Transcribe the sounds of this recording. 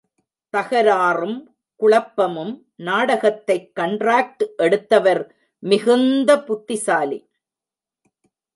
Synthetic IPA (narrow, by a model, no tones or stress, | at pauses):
t̪ɐɣɐɾaːrɯm | kʊɭɐpːɐmɯm | naːɽɐɣɐt̪ːɐɪkːɐɳɖraːk̚ʈʔɛɽɯt̪ːɐʋɐɾ | mɪɣɯnd̪ɐpʊt̪ːɪsaːlḭ